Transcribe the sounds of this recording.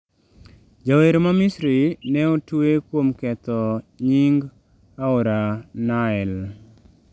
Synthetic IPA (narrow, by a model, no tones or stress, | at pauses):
d͡ʒaweɾmamisɾinɛotuekwomkɛt̪ɔɲiŋɡ | aoɾanaɛl